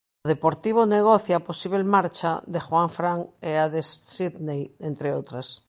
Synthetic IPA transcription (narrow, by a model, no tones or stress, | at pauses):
ðepoɾt̪iβ̞oneɣ̞oθjaposiβelmaɾt͡ʃadexwaɱfɾaŋeaðesiðnejent̪ɾeot̪ɾas